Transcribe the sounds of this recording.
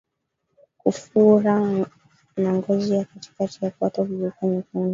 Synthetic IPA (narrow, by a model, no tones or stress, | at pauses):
kufuɾa | naŋɡɔzijakati̥katijakwatɔvilikaɲikuni